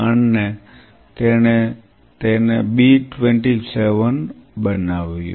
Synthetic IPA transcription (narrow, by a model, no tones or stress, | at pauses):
aɳne | t̪ene | t̪enebiʈʋeɳʈiseʋənbənaʋjṵ̃